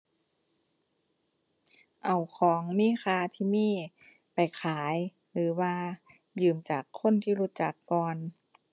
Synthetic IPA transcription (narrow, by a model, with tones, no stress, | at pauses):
ʔa˨˩wkʰɔː˨˩˦ŋmiː˧˥˨xʰaː˧t̪ʰiː˧˩miː˧˥˩ | pa˨˩jkʰaː˨˩˦j | lɯː˨˩˦waː˧ | jɯː˨˩mt͡ɕaː˨˩kʰːo˧˥˨nt̪ʰiː˧˩ɾuː˦˧˥t͡ɕa˨˩kːɔː˧n